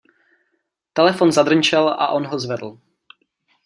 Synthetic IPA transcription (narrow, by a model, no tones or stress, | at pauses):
t̪ɛlɛfonzad̪r̩ɲt͡ʃɛla̰ʔo̞nɦozvɛd̪l̩